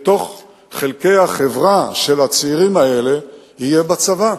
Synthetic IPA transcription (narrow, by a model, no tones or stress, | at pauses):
t̪o̞χ | χelke̞jhaχevʁaʃe̞lat͡siʁimae̞le̞ | hijebat͡sava